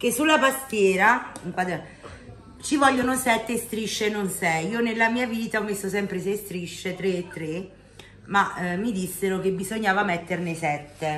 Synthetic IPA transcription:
k̟esːulːapast̪jɛːɾaiŋkwad̪ɛ | t͡ʃivɔʎːonosɛt̪ːest̪ɾiʃːenonsɛjiːonelːamiːaviːt̪aɔmːesːosɛmpɾes̬est̪ɾiʃːet̪ɾeːt̪ːɾe | mamːid̪isːeɾok̟ebːizoɲːaːvamɛt̪ːernesɛt̪ːe

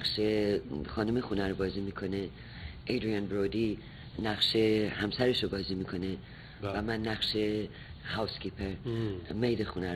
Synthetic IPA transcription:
ʃexɒːnumexunæɾobɒːziːmiːkʰo̞ne | ʔed̪ɾijɒnbɾoːd̪i | næɣʃehæmsæɾeʃobɒːziːmiːkʰo̞ne | væmænːæχʃe | hawskʰiːpʰeɾmejd̪exunæɾ

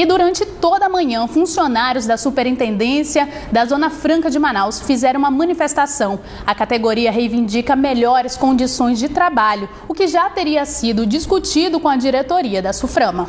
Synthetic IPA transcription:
ɪd̪uɾɐ̃nt͡ʃɪt̪od̪ɐmɐ̃ɲɐ̃fũsionaɾjʊzd̪ɐsupeɾĩnt̪ẽnd̪ẽsiɐd̪ɐzõnɐfɾɐ̃ŋkɐd͡ʒɪmanawsfizɛɾɐ̃ũmɐmɐ̃nifest̪asɐ̃w̃ | ɐkat̪eɡoɾiɐɦejvĩnd͡ʒikɐmeʎɔɾɪskõd͡ʒisõj̃zd͡ʒɪt̪ɾabaʎʊ | ʊkɪʒat̪eɾiɐsid̪ʊd͡ʒiskut͡ʃid̪ʊkõɐd͡ʒiɾet̪oɾiɐd̪ɐsufɾɐ̃mɐ

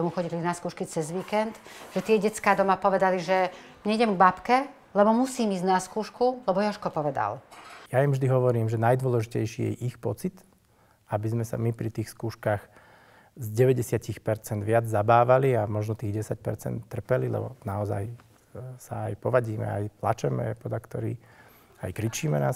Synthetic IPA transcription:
ɔmuxɔɟilinaskuːʃkit͡sɛzʋiːkɛnd̪ʒ̥ɛt̪ɪɛɟɛt͡skaːd̪ɔmapɔʋɛd̪aliʒɛ | ɲɛɟɛmɡbapkɛ | lɛbɔmusiːmiːzɟnaskuːʃkulɛbɔjɔɔʃkɔpɔʋɛd̪a̰ljajɛmvʒd̪iɦɔʋɔɾiːmʒɛnajd̪ʊʋɔlɛʒicɛjʃijɛ̰ʔixpɔt͡sit̪ | abizmɛsa̰mipɾit̪iːxskuːʃkaːx | zɟɛʋɛɟɛsɪacixpɛɾt͡sɛnd̪ʋɪad͡zzabaːʋaliamɔʒnɔt̪iːɣɟɛsac̚pɛ̰ɾt͡sɛ̰nt̪ːr̩pɛlilɛ̰bɔ̰naɔza̰j | sa̰ajpɔʋaɟiːmɛ̰a̰jpla̰t͡ʃɛmɛ̰pɔd̪lakt̪ɔɾḭː | a̰jkɾit͡ʃiːmɛna̰ː

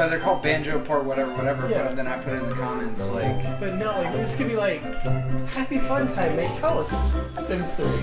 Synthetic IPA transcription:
ɛðə˞kʰɔlˠd̚bæ̃nd͡ʒoʊpʰɑɹtwʌɾɛvə˞wʌɾɛvə˞jæðɨ̃ñaɪpʰʊɾɨ̃nðɨkʰɑmɛ̃ntslaɪkb̥ʌtⁿnoʊlaɪk̚ðɪskʰɨ̃nbilaɪkhæpifʌ̃ntʰãɪ̃mːeɪkʰolˠs | sĩmz̥tʰɨ

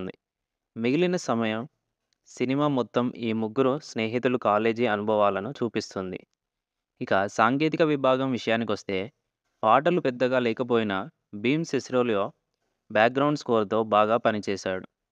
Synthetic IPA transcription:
nd̪ḭ | meɡilinɐsɐmɐjɐm | sinimaːmɔt̪ːɐmiːmuɡːuɾusne̞ːɦit̪ulukaːle̞ːd͡ʒiɐnubʱɐʋaːlɐnut͡ʃuːpist̪und̪ḭ | ikɐsaːŋɡe̞ːt̪ikɐʋibʱaːɡɐmʋiʂɐjaːnik̬iʋɐst̪e̞ː | paːʈɐlupɛd̪ːɐɡaːlɛːkɐp̬o̞ːjinɐ | biːmsesɾoːljoː | bjaːk̚ɡɾɐwɳɖskoːɾɐt̪o̞ːbaːɡaːpɐnit͡ʃɛːsaːɽu

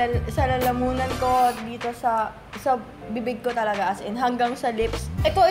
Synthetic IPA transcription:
sɐlɐlɐmuːnɐnko̞d̪iːt̪o̞sɐ | sɐ | bibɪɡ̚ko̞t̪ɐlɐɡaʔɐsɪnɦɐŋɡaŋsɐlɪpsʔɛt̪o̞ɪ

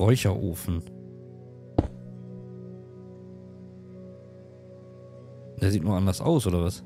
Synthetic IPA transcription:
ʁɔʏçɐʔoːfn̩ | d̥eːɐziːtnuːɐʔandɐsʔa̰ʊsʔoːdɐvas

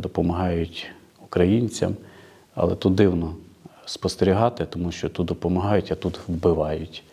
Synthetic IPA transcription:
d̪ɔpɔmɐɦɑjʊtʲ | ukɾɐjinʲt͡sʲɐ̰m | ɐ̰lˠɛt̪ut̪̚d̪ɪwnɔspɔst̪eɾʲiɦɑt̪ɪt̪ɔmuʃt͡ʃɔt̪ut̪̚d̪ɔpɔmɐɦɑjʊtʲɐt̪ut̪wbɪʋɑjʊtʲ

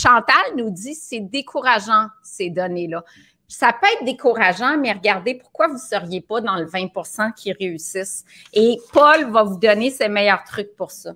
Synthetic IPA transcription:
ʃɑ̃t̪alnud͡z̪isɛd̪ekʰuʁaʒɑ̃ | sed̪ɔnelʌ | pi̥sapøɛːt̪̚d̪ekuʁaʒɑ̃mɛʁəɡaʁd̪epʊʁkwavusœʁjepɔd̪ɑ̃ləvɛ̃puʁsɑ̃kʲʰiʁeysɪs | epɔlvavud̪ɔnesemɛjœːʁt̪χʏk̚puʁsɔ

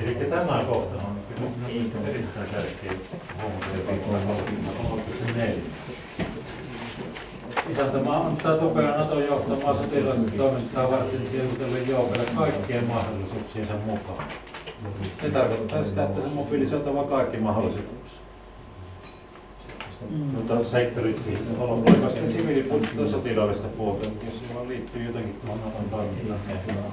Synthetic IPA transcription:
elikːæt̪æmækoht̪ɑnɑnːkːyyniterit̪ːˑæˑesærkˑeˑːhoˑmut̪ɑepiːt̪ɑkoltːmɑt̪ːɑkoˑt̪ːiksenneljæ̰ | isænt̪æmɑɑɑntt̪ːˑɑːt̪upeɑnɑt̪ojoˑuht̪ɑmˑɑːsɑt̪elɑˑset̪t̪oˑemint̪ːˑɑːʋɑrt̪ːensieut̪elːejjoˑokɑlːekkɑˑeikːiemmɑhdolːisuːksiːnsemmukɑ̰ːˑ | set̪ɑrkot̪ːɑːsit̪æet̪ːæsemmopilisoˑot̪ɑʋɑkɑˑekːimɑholːˑiset̪ | t̪uot̪ɑseˑkt̪ːorit̪siːheseolpoekːɑst̪ːesiʋiliput̪ːˑoːsot̪ilɑˑeʋest̪ɑpuot̪ɑnjossiʋɑˑlliːt̪ːyːjot̪ɑkit̪t̪uohonnɑt̪ompɑˑekilːɑnteˑh

